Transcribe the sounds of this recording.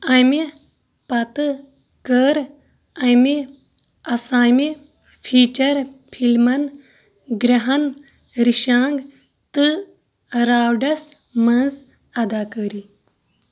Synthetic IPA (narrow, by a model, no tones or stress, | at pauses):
ɐme | pɐt̪ɨ | kəːɾ | ɐmi | ɐsaːme | pʰiːt͡ʃɐɾpʰilmɐn | ɡɾɐɦɐn | ɾiʃãːŋɡ | t̪ɨ | ɾaːwɖɐs | mɐnz | ɐd̪aːkəɾi